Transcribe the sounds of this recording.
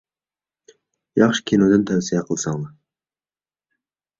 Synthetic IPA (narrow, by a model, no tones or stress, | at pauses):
jɑχʃɪ̥kʲʰinod̪ɨnt̪ʰæwsijɛqʰəlˠsɑŋmɑ